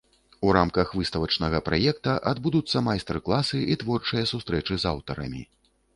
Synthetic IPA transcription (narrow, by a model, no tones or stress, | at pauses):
uɾamkɐxvɨst̪ɐvɐt͡ʂnɐɣɐpɾajɛkt̪ɐʔad̪bud̪ut̪sːɐmajst̪ɛrklˠasɨit̪vɔrt͡ʂɨjɐsust̪ɾɛt͡ʂɨzawt̪ɐɾɐ̰mʲḭ